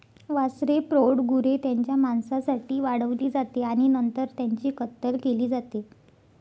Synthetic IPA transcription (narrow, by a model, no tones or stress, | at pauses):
ʋasɾepɾoɽɡʱuɾet̪jaɲt͡ɕjamaɳsasaʈiːʋaɽəʋliːd͡zat̪eaɽ̃inənt̪əɾt̪jaɲt͡ɕiːkət̪ːəɾkeliːd͡zat̪e